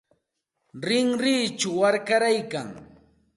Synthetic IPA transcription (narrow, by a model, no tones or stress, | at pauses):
ɾɪŋɾiːt͡ʃʊwaɾkaɾajkaŋ